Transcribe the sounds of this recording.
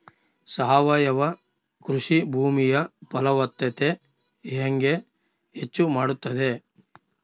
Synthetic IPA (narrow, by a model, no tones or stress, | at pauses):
sɐɦɐʋaːjɐʋɐ | kɾuʂibʱuːmijɐpɐlɐʋɐt̪ːɐt̪e | ɦeŋɡe | ɦet͡ʃːumaːɽut̪ːɐd̪e̞